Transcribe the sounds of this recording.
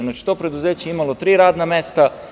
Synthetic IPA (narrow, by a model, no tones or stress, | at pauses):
naːt͡ʃi̥t̪opɾed̪uzeːt͡ɕeimalot̪ɾiːɾaːd̪nameːst̪a